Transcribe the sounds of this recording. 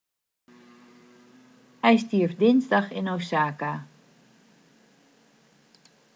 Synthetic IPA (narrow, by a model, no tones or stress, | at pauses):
hɛjstiəɹfdɪnzdɑxɪnowsaːka